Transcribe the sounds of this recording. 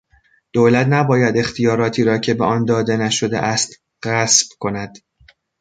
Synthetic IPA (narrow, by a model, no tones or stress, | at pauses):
d̪̥oːlæt̪ʰnæbɒːjæd̪e̞xt̪ʰijɒːɾɒːt̪ʰiːɾɒːcʰe̞beʔɒːnd̪ɒːd̪e̞næʃo̞d̪ḛʔæst̪ | ɣæsb̥kʰo̞næd̪̥